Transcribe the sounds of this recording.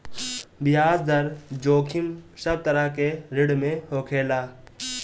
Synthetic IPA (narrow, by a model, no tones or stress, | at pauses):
bɪjaːzd̪əɾd͡ʒoːkʰɪmsɐb̚t̪əɾəɦkeɾɪɽmẽhoːkʰeːlaː